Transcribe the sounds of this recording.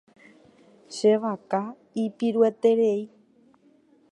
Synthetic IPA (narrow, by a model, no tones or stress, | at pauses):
ʃeʋaka | ipiɾuet̪eɾej